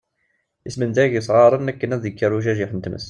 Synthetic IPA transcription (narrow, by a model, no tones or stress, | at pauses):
əsmənd̪æɡjəsˤʁɑɾˤənækːənæðəkːəɾˤuʒæʒiħənt̪mə̰s